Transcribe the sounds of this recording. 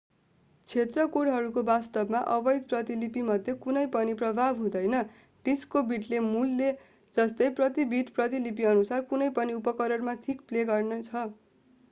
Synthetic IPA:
t͡sʰet̪rʌkoɽɦʌɾukobast̪ʌbmaʔʌbʌjd̪̚prʌt̪ilipimʌd̪ʱjʌkunʌjpʌniprʌbʱabɦũd̪ʌjnʌ | ɖ̥iskobiʈlemulːe | d͡zʌst̪ʌjprʌt̪ibiʈprʌt̪̬ilip̬iʌnusarkunʌjpʌniupʌkʌɾʌrmat̪ʰikpleɡʌrnʌt͡sʰʌ

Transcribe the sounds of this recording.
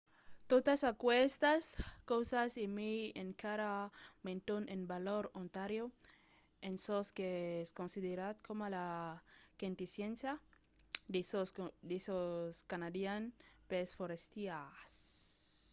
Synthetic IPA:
t̪ot̪asakwest̪askowsasimieŋkaɾamẽnt̪onẽnbaloɾont̪aɾjo | ensoskeskonsiðeɾat̪̚kʰomola | kent̪isjensja | sod̪esoskanad̪janpesfoɾest̪ias

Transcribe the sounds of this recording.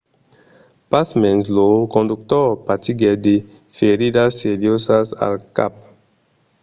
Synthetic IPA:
pasmɛnzlokõnduk̚tɔpatiɡɛde | feɾidaseɾiosasa̰lka̰p̚

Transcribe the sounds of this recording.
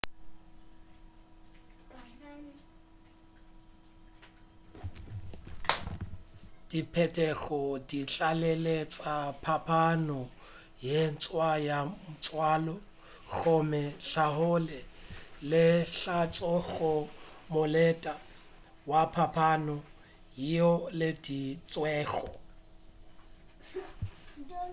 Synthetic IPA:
d̥ipʰɛtʼɛɣɔdiɬalelet͡sʼapʰapʰanɔ | jen̩t͡sʼwajamʊt͡sʼwaːlɔ | ɣɔmɛɬaɦʊlɛlɪɬat͡sʼɔɣɔmʊlɛtʼa | wapʰapʰanɔ | jiɔlɪdit͡sʼwɛːɣɔ̰

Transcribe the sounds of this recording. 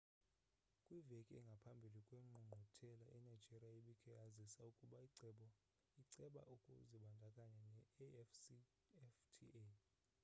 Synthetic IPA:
kʼwivekʼɛ̰ŋɡʱapʰambʱilikʼweŋ͡ǃʱuŋ͡ǃʱutʰɛlaʔɛnai̥d͡ʒʱeriaiɓikʰʼɛazisaukʼuɓaiǀɛɓɔ | iǀɛɓa̰ʔukʼṵziɓandʱakʼaɲɛnɛ | ftʰḭe

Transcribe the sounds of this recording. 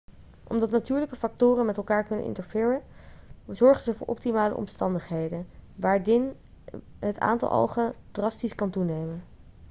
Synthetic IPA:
ʔɔmdɑtnatyːɹləkəfɑk̚tʊːrənmɛtɛlˠkaːɹkɵnə̰nʔɪ̰ntəɹvɪːɹən | zɔɹχənzəvʊːɹʔɔ̰p̚timaːlə̰ʔɔ̰mstɑndəχɦejdənʋaːɹɪn | ɦətʰa̰ːntɑ̰lˠʔo̰wχəd̥rɑstiskɑntunejmən

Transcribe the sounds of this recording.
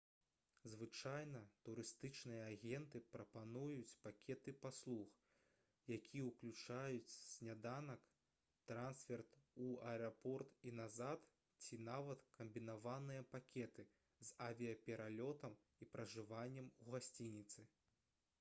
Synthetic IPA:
zvɨt͡ʂajnɐt̪uɾɨst̪ɨt͡ʂnɨjɐːɣʲɛnt̪ɨpɾɐpanujut͡sʲpakʲɛt̪ɨpaslˠux | jakʲʰijɛwklʲut͡ʂajut͡sʲsʲnʲad̪anɐk | t̪ɾansfʲɛrt̪uɐɛɐpɔrt̪inazat̪ | t͡sʲinavɐt̪kɐmbʲinavanɨjɐpakʲɛt̪ɨ | zavʲijɐpʲɛɾalʲɔt̪ɐm | ipɾɐʐɨvanʲːɛmuɣasʲt͡sʲinʲit̪sɨ

